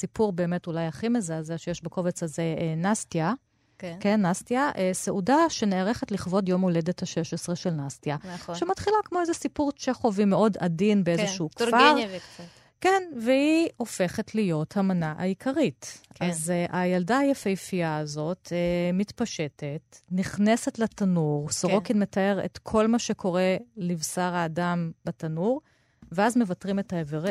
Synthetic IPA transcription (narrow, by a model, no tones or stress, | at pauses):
sipuʁbe̞ːme̞tulajaχimezeazeʃejeʃbeko̞vet͡sazenastja | kkenːastiaʔeseʔudaʃeneaʁe̞χetliχvo̞djo̞mole̞dethaʃe̞ʃesʁeʃelnastjaʃematχilakmo̞ezesipuʁt͡ʃeχovimeʔo̞da̰dinbeezeʃuːkfaʁva | kenveio̞fe̞χetʰlijo̞thamanaʔaikʰaʁitkazʔajaldaajefejfiaːzo̞tmitpaʃe̞tetniχne̞se̞tletanuʁsoʁo̞kidme̞tae̞ʁḛtkʰo̞lmaʃekʰo̞ʁe̞livsaʁhaːdamb̥atanuʁ | veazme̞vatʁimethaeveʁ